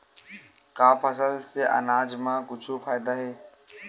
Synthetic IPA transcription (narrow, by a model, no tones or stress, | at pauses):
kaːpʰəsəlseʔɐ̰naːd͡ʒmãːkʊd͡ʒʱopʰaːjd̪aːɦeː